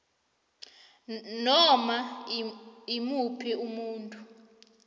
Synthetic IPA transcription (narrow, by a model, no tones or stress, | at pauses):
nɔma | imupʰiʔumuːntʼu